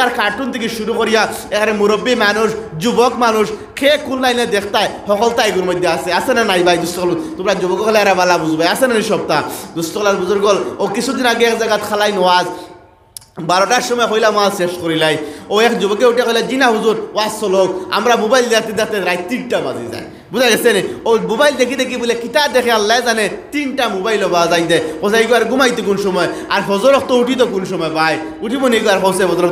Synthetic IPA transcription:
t̪aɾkaɾʈunt̪ʰik̬iʃuɾukoɾijaekʰanemuɾɔbːimanuʃd͡ʒubɔkmanuʃ | kʰekunlajned̪ekʰt̪ajhɔkɔlt̪aeɡuɾmojd̪ʱːjeaseasenanajbajd̪ust̪ɔkʰɔlt̪umɾad͡ʒubɔkɔkʰaleaɾabalabuzbajasenaniʃɔb̚t̪ad̪ust̪ɔklaɾbuzuɾɡɔlokit͡ʃʰud̪inakeekzaɡat̪kʰalajnɔwaz | baɾɔʈaʃɔmɔekɔjlamaseʃkoɾilajoekd͡ʒubɔkeuʈijaxʰɔjlad͡ʒinaɦuzuɾwazsɔlɔka̰mɾamubajld̪eat̪id̪ekt̪eɾajt̪t̪iʈʈaba̰zḭza̰j | buzajɡɛseniomubajld̪ekid̪ek̬ibulekit̪ad̪ekʰɛalːaezanet̪inʈamubajlɔbazajd̪ɛkɔsajɡɔaɾɡumajt̪ek̬unʃɔmɔjaɾɦɔzɔɾɔkt̪ɔuʈit̪̬ɔkunʃɔmɔebaj | uʈibɔniɡɔaɾɦɔwsɛɦɔzɔɾɔ

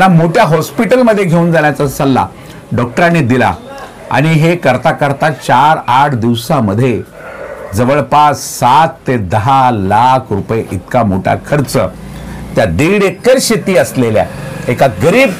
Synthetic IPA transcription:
amoʈʰjaɦɔspiʈəlməd̪ʱːjeɡʱeuːnd͡zaɳjat͡sasəlːa̰ | ɖɔk̚ʈɾanːed̪ila̰ | a̰ɽ̃iɦekəɾt̪akəɾt̪at͡ɕaɾaʈʰd̪iʋsãməd̪ʱːje | d͡zəʋəɭpassat̪ːed̪əɦalakʰɾupjeʔit̪kamoʈʰa̰kʰəɾt͡sə̰ | t̪jad̪iɽekəɾɕet̪iːəslelja̰ekaɡəɾiːb

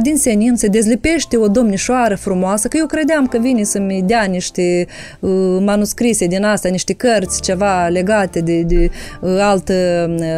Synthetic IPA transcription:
d̪insenint̪səd̪e̞zlipe̞ʃt̪eo̞d̪o̞mniʃoaɾəfɾumoasəkəjewkɾe̞d̪eamkəvinesəmʲd̪eaniʃt̪e | manuskɾised̪inast̪janiʃt̪ekərt̪sʲt͡ʃe̞vale̞ɡat̪ed̪ed̪ealt̪ə

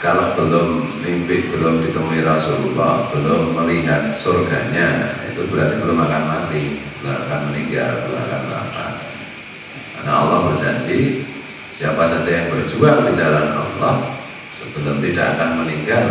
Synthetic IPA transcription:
kalab̥əlʊmlimpɪhbəlʊmdit̪əmuiɾasululɔhb̥əlʊmːəliɦat̪̚sorɡa̰ɲa̰ḭt̪ubəɾart̪ibəlʊmakanmat̪ibəlama̰kanməniŋɡa̰lbəl̰ma̰ka̰nla̰ka̰n | karnaa̰lːɔhbərd͡ʒaɲd͡ʒi | siapasad͡ʒajaŋbərd͡ʒuadid͡ʒalana̰lːɔh | səbəlʊmt̪ida̰ʔakanməniŋɡal

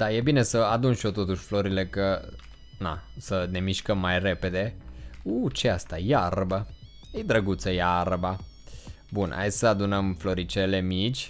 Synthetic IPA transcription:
d̪̥aje̞bine̞səad̪unʃio̞t̪o̞t̪uʃʲflo̞ɾile̞kə | na̰səne̞miʃkəmːajre̞pe̞d̪e̞ut͡ʃeast̪ajarbə | ejd̪ɾəɡut̪səjarba | bunʔa̰jʲsəad̪unəmflo̞ɾit͡ʃele̞mit͡ʃʲ

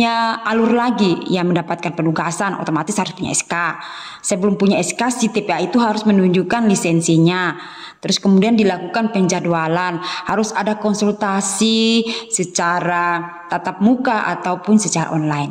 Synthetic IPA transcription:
ɲaʔalʊrlaɡijaməndapat̪̚kanpənuɡasanʔo̰t̪omat̪ɪshaɾʊspuɲa̰ɛska | sajabəlʊmpuɲaɛskasit̪epeait̪uɦaɾʊsmənuɲd͡ʒukanlisɛnsiɲa | t̪əɾʊskəmudiandilakukanpəɲd͡ʒadualanhaɾʊsadakɔnsult̪asisət͡ʃaɾa | t̪at̪ap̚mukaʔa̰t̪awpʊnsət͡ʃaɾa̰ʔɔnlaɪn

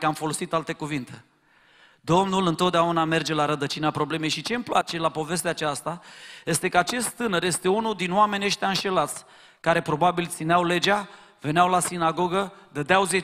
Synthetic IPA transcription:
kamfo̞lo̞sit̪alt̪e̞kuvint̪e̞ | d̪o̞mnulɨnt̪ot̪d̪eauname̞rd͡ʒe̞laɾəd̪ət͡ʃinapɾo̞ble̞me̞jʃit͡ʃe̞mplat͡ʃe̞lapo̞ve̞s̬t̪eat͡ʃast̪aje̞st̪e̞kəat͡ʃe̞st̪t̪ɨnəɾje̞st̪e̞unud̪inwame̞nʲəʃt̪ʲaɨnʃe̞lat̪sʲ | kaɾe̞pɾo̞babilt̪sineawle̞d͡ʒa | ve̞nawlasinaɡo̞ɡəd̪əd̪eawzie

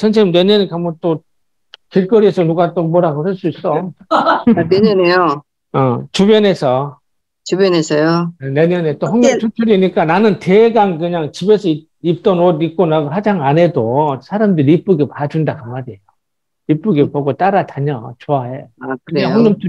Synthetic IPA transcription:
t͡ɕʰʌnsʰeineɲʌnikʰamʌt͈o | kiɭk͈ʌɾiesʰʌnuɡat͈omʌɾaɡosʰɯɭs͈uis͈ʌ | neɲʌnejo | ʌt͡ɕubjʌne̞sʰʌ | t͡ɕubjʌnesʰʌjone̞ɲʌnet͈ohʌŋɲʌmt͡ɕʰut͡ɕʰuɾiɲik͈ananɯnte̞ɡaŋkɯɲaŋt͡ɕibe̞sʰʌi | ip̚t͈ʌnodik͈onaɡoɦad͡ʑaŋane̞dosʰaɾamdɯɾiip͈uɡepad͡ʑundakaŋadiejo | ip͈uɡepoɡot͈aɾataɲʌt͡ɕoaeoakɯɯɾeɲaŋhʌŋɲʌmt͡ɕʰu

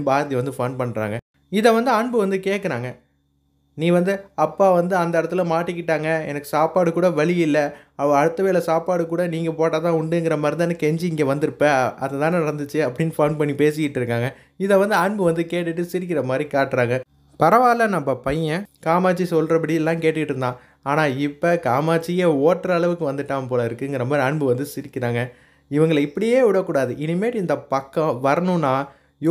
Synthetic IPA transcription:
baːɾɐt̪iʋɐnd̪ɯfoːnpɐɳːɾa̰ːŋɡɐ | ɪðɛʋɐnd̪ɯɐɳbɯʋɐnd̪ɯkeːʈkːɐɾaːŋɡɐ | nĩːɐʋɐnd̪ɯɐpːaːʋɐnd̪ɯɐnd̪ɐɪɽɐt̪ːɯlɐmaːʈːɪkːɪʈːaːŋɡɐɛ̰nɐkːɯ̥saːpaːɽɯkuːɽɐʋɐɭɪjɪlːɐ | ɐʋɐ̃ɐɽɯt̪ːɐʋeːlɐsaːpaːɽɯkuːɽɐniːŋɡɐpoːʈːaːt̪ãːʊɳɖɯŋɡɪɾɐmɐɾɯnd̪ɐnːɯkɛɲd͡ʒɯɪŋɡeʋɐnd̪ɯɾɯpːɐɐðɛt̪ãːnɯɪɾɐnd̪ɯt͡ʃːɯɐpːɐɽɪnːfoːnpɐɳːipeːs̬ɪjɪʈːɯɾɯkːaːŋɡɐ | ɪðɛʋɐnd̪ɯɐɳbɯʋɐnd̪ɯkeːʈːɯʈːɯsɪɾɪk̬ːɪɾɐmaːd̪ɾikaːʈːɾaːŋɡɐ | pɐɾɐʋaːlɐnɐmbːɐpɐjɐ̃kaːmaːt͡ʃːisɔlɾɐpɐɽɪjɛlːãːkeːʈːɯkɪʈːɪɾɯnd̪ãː | aːnaːɪpːɐkaːmaːt͡ʃːɪjeːoːʈːɾɐɐɭɐʋɯkːɯʋɐnd̪ɯʈːaːɐpoːlɐɪɾɯkːɯɪŋɡɪɾɐmaːd̪ɾiɐɳbɯʋɐnd̪ɯsɪɾɪkʲːɪɾaːŋɡɐ | ɪʋɐŋɡɐɭɪpːɐɽɪjeːʋɪɽɐkːuːɽaːðɯʔɪnɯmeːɾɪnd̪ɐpɐkːɐ̃ʋɐɾɐnʊ̃nːaː | j

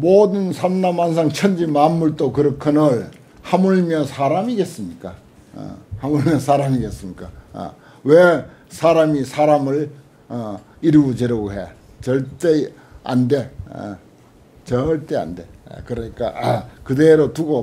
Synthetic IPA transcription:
modɯnsʰannamans̬ʰaŋt͡ɕʰʌnd͡ʑimanmːuɭt͈okɯɾʌkʰɯnɯɭ | hamuɭmjʌnsʰaɾamiɡe̞s͈ɯmɲik͈a̰ | hamuɭmjʌnsʰaɾamiɡe̞s͈ɯmɲik͈a̰ | we | sʰaɾamisʰaɾamɯɭ | iɾɯɡod͡ʑeɾʌɡoɦe̞ | t͡ɕʌɭt͈e̞ | a̰nde̞̰ | t͡ɕʌɭt͈e̞a̰nde̞̰kɯɾʌɲik͈a̰kɯdeɾotuɡo

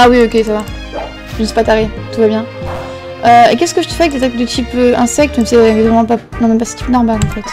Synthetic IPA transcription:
awiokʲesava | ənse̥pat̪aʁit̪uvabjɛ̃ | øekʲɛskəʒət̪ə̥fɛɛk̚d̪at̪akd̪et̪ipøɛ̃sɛk̚t̪mɛ̃sɛɛ̃kɛvʁɛmɑ̃panɔ̃mɛ̃mpasə̥t̪i̥pnɔʁmalɑ̃fɛt̪

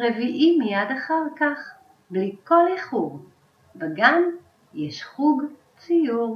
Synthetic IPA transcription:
ʁeviʔimijad̪aχaʁkaχ | blikoleχuʁ | vaɡan | jeʃχuɡ | t͡sijuʁ

